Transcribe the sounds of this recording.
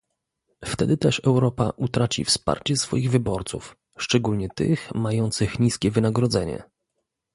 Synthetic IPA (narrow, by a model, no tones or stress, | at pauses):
ft̪ɛd̪ɘt̪ɛʂɛwɾɔpa̰ʔut̪ɾat͡ɕḭfspa̰ɾt͡ɕɛsfɔ̰jiɣvɘbɔɾt̪suf | ʂt͡ʂɛɡulɲɛt̪ɘ̰xmajɔnt̪sɘxɲiskʲɛvɘnaɡɾɔd̪zɛɲɛ̰